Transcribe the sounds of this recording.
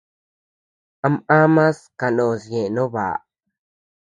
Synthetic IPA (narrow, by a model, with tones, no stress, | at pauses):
a˧˦ma˦mã˦ska˨ɗõ˨sjẽ˨nõ˦βa̰˨